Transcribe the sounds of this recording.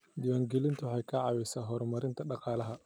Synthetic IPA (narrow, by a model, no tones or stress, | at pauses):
d̪ɪwaːŋɡɛlɪnt̪ʰʊħɛjkʰɐʕɑːwɛjsaːɦɔːɾmɐɾɪnt̪ʰɐɖɑqɑːlɐɦɐ